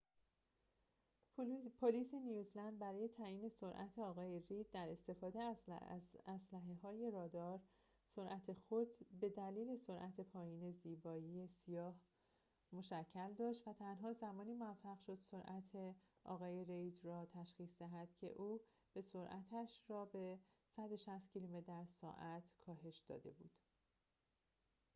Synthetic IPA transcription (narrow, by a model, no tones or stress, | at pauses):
pʰoliːse̞nijuzlænd̪̚bæɾɒːje̞t̪ʰæːjiːne̞so̞ɾʔæ̰t̪ʰeɒːɣɒːje̞rejd̪ːæɾe̞st̪e̞fɒːd̪e̞ | æslæɦeɦɒːje̞ɾɒːd̪ɒːɾ | so̞ɾʔæt̪ʰe̞xod̪be̞d̪æliːle̞so̞ɾʔæt̪ʰe̞pʰɒːjiːne̞ziːbɒːjiːje̞sijɒːh | mo̞ʃæcʰːæld̪ɒːʃt̪væt̪ʰænɦɒːzæmɒːniːmoæfːæɣʃo̞d̪̥so̞ɾʔæt̪ʰe | ʔɒ̰ːɣɒːje̞ɾejd͡ʒ̪ɾɒːt̪ʰæʃxiːsd̪æɦæd̪̥cʰe̞̰ʔuː | b̥e̞so̞ɾʔæt̪ʰæʃrɒːbe̞ | sæd̪oʃæst̪̚cʰilomet̪d̪æɾsɒ̰ːʔæt̪ʰkʰɒːɦe̞ʃd̪̥ɒ̰ːd̪e̞̰bṵːd̪̥